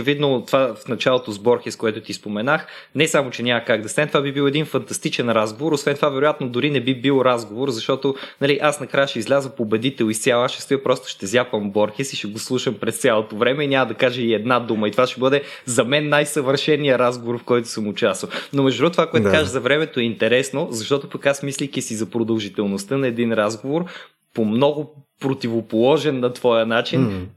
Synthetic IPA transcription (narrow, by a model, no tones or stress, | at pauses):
ot͡ʃɛvid̪not̪ovafnɐt͡ʃalˠot̪ozbɔɾxʲɛskoɛt̪ʊt̪ispomɛnaxnɛsamot͡ʃɛnʲamɐkaɡ̚d̪ɐst̪anɛt̪ovabibilˠɛd̪infɐnt̪ɐst̪it͡ʃɛnɾazɡovoɾosvɛnt̪ovavɛɾʊjat̪̚nod̪ʊɾinɛbibilˠoɾazɡovoɾzɐʃt̪ɔt̪onɐliʔasnɐkɾajəʃɛizlʲazəpobɛd̪it̪ɛlˠist̪sʲalˠasʃɛ̥st̪oəpɾɔst̪ʊ̥ʃt̪ɛzʲjapɐmbɔɾxɛsiʃɛɡoslˠuʃəmpɾɛst̪sʲjalˠot̪ovɾɛmɛinʲaməd̪ɐkaʒəiɛd̪nad̪uməit̪ovaʃɛbɤd̪ɛzɐmɛnːajsəvəɾʃɛnːijəɾazɡovoɾfkɔjt̪ʊ̥səmʊt͡ʃast̪vɐnomɛʒdubɾut̪ovakoɛt̪dkaʒəzɐvɾɛmɛt̪oɛint̪ɛɾɛsnozɐʃt̪ɔt̪opɐkasmislikisizɐpɾod̪ɐlˠʒit̪ɛlˠnost̪ɤnɐɛd̪inɾazɡovoɾ | pomnɔɡʊpɾot̪ivopolˠɔʒɛnːɐt̪v̥ɔjənat͡ʃin